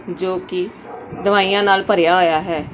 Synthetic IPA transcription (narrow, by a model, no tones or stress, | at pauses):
d͡ʒoːkɪ | d̪əʋaːijãːnaːlpəɾjaːɦoːjaːɦɛː